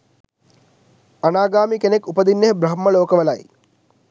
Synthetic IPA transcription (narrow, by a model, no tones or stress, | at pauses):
anaːɡaːmikenekːupəd̪inːeɦbɾɐɦmːəloːkəʋəlaj